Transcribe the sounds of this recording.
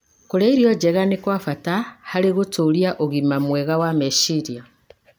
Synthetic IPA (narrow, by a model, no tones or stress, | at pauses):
koɾeiɾjɔd͡ʒɛɣanekwafatahaɾeɣotoɾjaʔoɣimamwɛɣawameʃiɾia